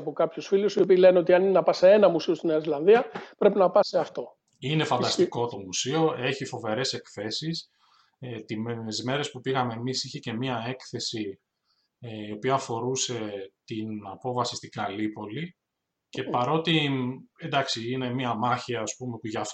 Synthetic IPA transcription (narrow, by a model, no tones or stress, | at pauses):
ɐpokɐpçusfilusio̞piːle̞neo̞t̪iɐnienɐpɐseenɐmusio̞st̪ineɐizlɐnðiɐpɾe̞pinɐpɐseɐft̪o̞ | ine̞fɐnd̪ɐst̪i̥ko̞t̪o̞musio̞ʔe̞çifo̞ve̞ɾe̞se̞kθe̞sis | t̪imenzme̞ɾe̞spupiɣɐme̞ːmisiçe̞ce̞miɐe̞kθe̞si | eio̞piɐːfo̞ɾuse̞t̪inɐpo̞vɐsi̥st̪iɡɐlipo̞li | ce̞pɐɾo̞t̪iend̪ɐksiine̞miɐmɐçiɐːspume̞puʝɐf